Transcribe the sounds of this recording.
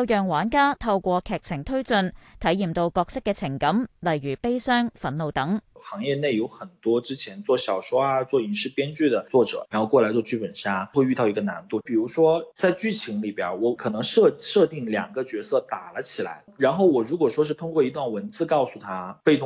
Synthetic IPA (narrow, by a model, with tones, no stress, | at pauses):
wjœː˨ŋwaː˨˥nkaː˥t̪ʰɐ˧wkʷɔː˧kʰɛː˨˩k̚t͡sʰɪ˨˩ŋt̪ʰɵ˥ɥt͡sɵ˧nt̪ʰɐ˨˥jjiː˨˩mt̪o˧wkɔː˧k̚sɪ˥kːɛː˧t͡sʰɪ˨˩ŋkɐ˨˥mlɐ˨˩jɥy˨˩pe˥jsœː˥ŋfɐ˨˥nlo˧wt̪ɐ˨˥ŋxɑ˧˥ŋjɛ˥˧ne˥˩ɪjo˧˥ʊxə˨˩nt̪wɔ˥ʈ͡ʂɻ̩˥t͡ɕʰjɛ˧˥nt͡swɔ˥˩ɕjɑ˨˩ʊʂo˥ʊa˧˩t͡swɔ˥˩i˨˥nʂɻ̩˥˩pjɛ˥nt͡ɕy˥˩d̪ə˩t͡swɔ˥˩ʈ͡ʂɤ̰˨˩˦ɻa˨˧˥nxo˥˧ʊkwɔ˥˩la˧˥ɪt͡swɔ˥˧t͡ɕʰy˥pə˨˩nɕja˥xwe˥˧ɪy˥˧t̪ɑ˥˩ʊi˧˥ɡə˧na˧˥nt̪u˥˩pi˨˩ɻu˧˥ʂwɔ˥t͡sa˥˧ɪt͡ɕy˥˩t͡ɕʰi˧˥ŋli˨˩pja̰˨˩˥wɔ˧˥kʰɤ˨˩nɤ˧˥ŋʂɤ˥˧ʂɤ˥˧t̪i˥˩ŋljɑ˨˩ŋɡə˧˦t͡ɕɥɛ˧˥sɤ˥˩t̪a˨˩lə˦t͡ɕʰi˨˩la̰˧˥ɪɻa˧˥nxo˥˩ʊwɔ˨˩ɻu˧˥kwɔ˨˩ʂwɔ˥ʂ̬ɻ̩˥˩t̪ʰʊ˥ŋkwɔ˥˩i˧˥t̪wa˥˩nwə˧˥nt͡sɹ̩˥˧kɑ˥˧ʊsu˨˧t̪ʰa˥fe˥˩t̪ʰʊ˧˥